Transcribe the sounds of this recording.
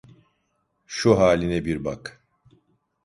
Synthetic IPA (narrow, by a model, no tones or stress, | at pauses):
ʃuɦaːlʲinɛbiɾbak